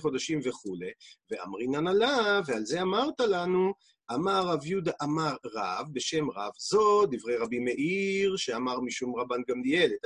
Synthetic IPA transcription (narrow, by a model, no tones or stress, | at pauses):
χo̞d̪aʃimve̞χule̞vea̰mʁinanalavealze̞amaʁt̪alanu | ʔamaʁavjud̪aʔamaʁːavbe̞ʃe̞mʁa̰vzo̞d̪ivʁe̞jʁabimeʔiʁʃeamaʁmiʃumʁabanɡamdielet̪